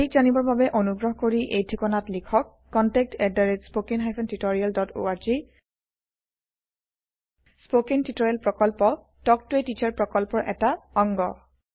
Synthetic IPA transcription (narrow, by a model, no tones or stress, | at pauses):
ik̚zanibɔɹbabɛʔonuɡɹɔɦɔkoɹiʔejdʰʱikɔnatlikʰɔkːɔntɛk̚tɛdaɹetspokinɦajpʰɔntitoɹialdɔtʰo̰aɹzi | spokintitɔɹialpɹɔkɔlpɔ | tɔk̚tʊetit͡ʃaɹpɹɔkɔlpɔɹʔɛtaɔŋɡɔ